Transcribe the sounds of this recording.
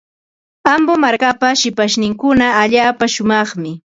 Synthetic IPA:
ambomaɾkapaʃɪpaʃnɪŋkʊnaːʎaːpaʃʊmɑχmɪ

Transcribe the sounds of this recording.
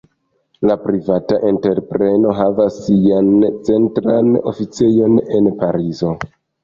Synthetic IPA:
lapɾivataʔente̞ɾpɾe̞no̞ɦavasːiant͡se̞ntɾano̞̰fit͡se̞jo̞ne̞npaɾizo̞

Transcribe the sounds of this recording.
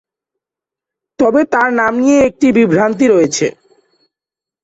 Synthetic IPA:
t̪ɔbet̪aɾnamnijeek̚ʈibibʱɾant̪̬iɾoet͡ɕʰḛ

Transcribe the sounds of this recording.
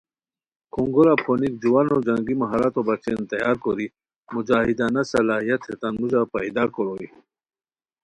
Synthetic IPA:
kuŋɡoɾapʰonikd͡ʑuwanod͡ʑɐŋɡimɐɦaɾat̪obɐt͡ɕent̪ɐjaːɾkoɾi | mud͡ʑaːɦid̪aːnasɐlaːɦijɐt̪ʰet̪anmud͡ʑapaid̪akoɾoi

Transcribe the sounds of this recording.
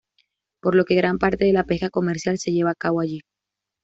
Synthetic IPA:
po̞ɾlo̞ke̞ɣɾampaɾt̪e̞ðe̞lape̞xako̞me̞ɾsjalse̞ʝe̞βaːkaβoaʝi

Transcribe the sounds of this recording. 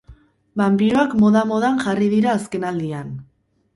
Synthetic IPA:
bampiɾoakmo̞ðamo̞ðanʝariðiɾaːske̞nald̪ian

